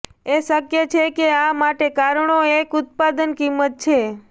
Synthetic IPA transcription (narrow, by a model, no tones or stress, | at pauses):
eʃəkjet͡ʃʰekeamaʈekaɾɳoekʊt̪̚pad̪ənkimːət̪̚t͡ʃʰe